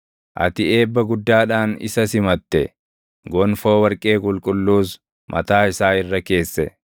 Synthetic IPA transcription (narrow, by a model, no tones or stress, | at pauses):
ʔɐ̰t̪ɪeːbːɐɡʊd̪ːaːᶑaːnɪ̰sɐsɪmɐt̪ːɛ | ɡɔnfo̞ːwɐɾkʼe̞ːkʼʊlkʼʊlːuːs | mʔɐ̰t̪aːɪsaːɪrːɐke̞ːsːɛ